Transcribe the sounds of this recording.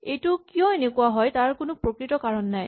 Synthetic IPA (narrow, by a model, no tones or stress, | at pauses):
ejtʊkijɔ̃enekʊaɦɔjtaɹkʊnʊpɹokɹitɔkaɹɔnːaj